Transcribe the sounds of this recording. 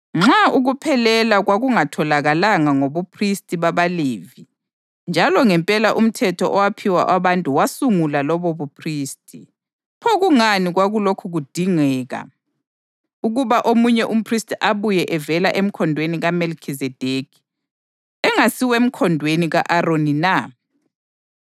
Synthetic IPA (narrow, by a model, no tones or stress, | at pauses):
ŋ͡ǁaʔuɣupʰɛlɛlaɣwaɣuŋatʰɔlaɣalaŋaŋoβupʰristʼiβaβaleːvi | nd͡ʒʱalɔŋɛmpʼɛlaʔum̩tʰɛtʰɔʔɔwapʰiwa̰ʔaβantʼuwasuŋulalɔβɔβupʰriːstʰʼi | pʰɔɣuŋaniɣwaɣulokʰuɣud̥ʱiŋɛːɣa̰ | uɣuβaʔomuɲɛʔum̩pʰristʼiʔaβujɛʔɛvɛlaʔem̩kʰɔndʱweniɣamelkʰizɛd̥ʱekʰi̥ | ɛŋasiwem̩kʰɔndʱweniɣaʔaronina